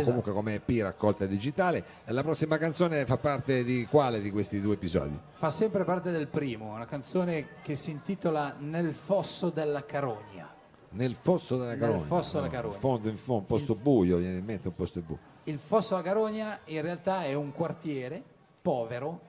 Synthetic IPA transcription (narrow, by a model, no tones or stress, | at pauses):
komuŋkwekomepːirakːɔlt̪ad̪id͡ʒit̪aːle | lapɾɔsːimakant̪soːnefapːart̪ed̪ikwaːled̪ikwest̪id̪ueepizɔ̰ːd̪ḭfasːɛmpɾepart̪ed̪elpɾiːmounakant̪soːnek̟esːiːnt̪iːt̪olanelfɔsːod̪elːakaɾɔːɲa̰ | nelfɔsːod̪elːakaɾofɔsːod̪elakaɾofond̪oiɱfoumpɔst̪obujovjɛneimːent̪eumpɔst̪obṵ | ilfɔsːolakaɾɔɲːainrealt̪aɛuŋkwart̪jɛːɾe | pɔːveɾo